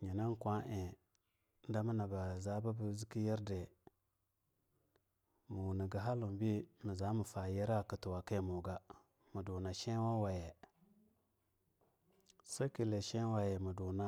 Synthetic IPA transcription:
ɲi˨na˦n˦kʷa˦ʔe˨ | n̩˦da˦mi˦na˨ba˨za˦ba˦bu˦zi˦ki˦je˦ɾde˨ | mu˨wu˨ni˨ɡa˨ɦa˦lu˨m˨bi˦mi˨za˨˦mu˨fa˨je˦ɾa˦˨ki˨tu˨wa˨ke˦mu˨ɡa˦ | mu˨du˨na˨ʃe˦wa˦wa˨je˨ | sa˦ki˨le˨ʃe˦wa˨je˨mu˨du˨na˦

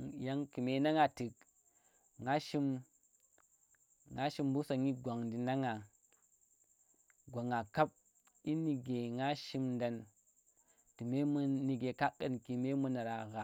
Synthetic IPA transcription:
ja˦ŋki˨me˨˦na˦ŋa˨ti˨k | ŋa˦ʃi˦m | ŋa˦ʃi˦mbu˦sa˨ŋi˦ɡʷa˨ŋdi˨na˦ŋa˨ | ɡʷa˨ŋa˨ka˦p̚ | i˦ni˨ɡe˨ŋa˦ʃi˦mnda˨n | ti˨me˦m˦ni˨ɡe˨ka˦kːa˨nki˨me˦mu˦na˨ɾa˨ɣa˨

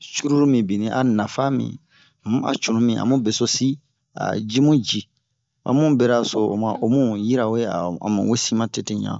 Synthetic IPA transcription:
t͡ʃu˦ɾu˦ɾu˦mĩ˨bi˨nĩ˦ʔa˨na˨fa˦mḭ̃˨˦ | a̰˨t͡ʃu˨nũ˦mĩ˨ʔa̰˨mũ˦bɛ˨so˦si˦ | a̰˨d͡ʒi˦mũ˦d͡ʒi˨ | a̰˨mũ˦bɛ˦ɾa˦so˨o̰˨mã˨ʔo˨mũ˦ji˦ɾa˨o˨˦je˦a˨ã̰˨mã˨wo˦sĩ˦mã˦te˦tẽ˦ɲã̰˨

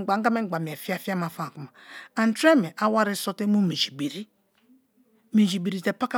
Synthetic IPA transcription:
ɡ͡ba˨ŋ̩˦a˦me˦˨ɡ͡ba˨mi˨e˨fi˦a˦fi˦a˦ma˨fa˦˨ku˨ma˨a˨n˦tɾe˦me˨ʔa˦wa˦ɾi˦so˦te˦mu˦me˨d͡ʒi˨be˨ɾi˦ | me˨d͡ʒi˨be˨ɾi˨te˨pa˦ka˦

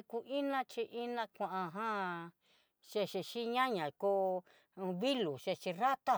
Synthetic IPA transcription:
ku˧ʔi˦nã˦t͡ʃi˧ʔi˦nã˧kʷã˧ʔã˧ɦã˦ | ʃe˧ʃi˧ʃi˦ɲã˦ɲã˨ko˦˧ | βi˦lu˨ʃe˧t͡ʃi˧ra˦t̪a˦˨

